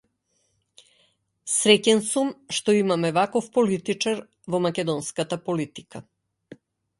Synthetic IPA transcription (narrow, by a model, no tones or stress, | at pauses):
sɾɛcɛnsumʃt̪ɔimamɛvakɔfpɔlit̪it͡ʃaɾ | vɔmakɛd̪ɔnskat̪apɔlit̪i̥ka